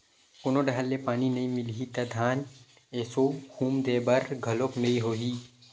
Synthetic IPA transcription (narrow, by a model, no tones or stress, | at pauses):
konoɖaɦəlːepaːninɐĩmɪlɦit̪ɐd̪ʱaːn | eːsohũːmd̪eːbɐɾɡʱɐloknɐĩɦoːɦiː